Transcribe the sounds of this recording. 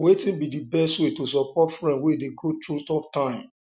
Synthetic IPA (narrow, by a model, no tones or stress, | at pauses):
wetĩnbidibɛstwetos̬ɔpɔtfɹɛ̃ndwedeɡotɹutɔp̚tãɪ̃m